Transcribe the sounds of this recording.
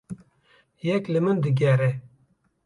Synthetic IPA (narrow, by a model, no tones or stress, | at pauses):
jɛklɨmɨnd̪ɨɡʲɛɾɛ